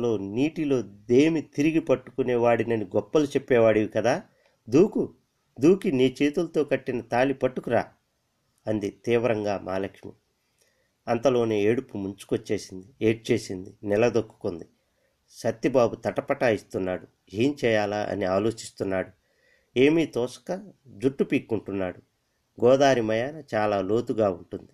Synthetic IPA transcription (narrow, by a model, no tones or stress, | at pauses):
lo̞ːniːʈilo̞ːd̪eːmit̪iɾiɡipɐʈːu̥kuneːʋaːɽinɐniɡɔpːɐlut͡ʃepːɛːʋaːɽiʋikɐd̪aː | d̪uːku | d̪uːkiniːt͡ʃe̞ːt̪ulɐt̪o̞ːkɐʈːinɐt̪aːlipɐʈːukuɾaː | ɐnd̪it̪iːʋɐɾɐŋɡaːmaːlɐkʂmḭ | ɐnt̪ɐlo̞ːneːeːɽupumuɲt͡ʃu̥kot͡ʃːe̞ːsind̪ieːʈ̚t͡ʃe̞ːsind̪inɛlɐd̪okːu̥kond̪i | sɐt̪ːibaːbut̪ɐʈɐpɐʈaːjist̪unːaːɽu | d͡ʒiːnt͡ʃɛːjaːlaʔɐ̰niaːlo̞ːt͡ʃist̪unːaːɽu | e̞ːmiːt̪ɔːsɐ̥kɐd͡ʒuʈːupiːkːuɳʈunːaːɽu | ɡɔːd̪aːɾimɐjaːnɐt͡ʃaːlaːlo̞ːt̪uɡaːuɳʈund̪i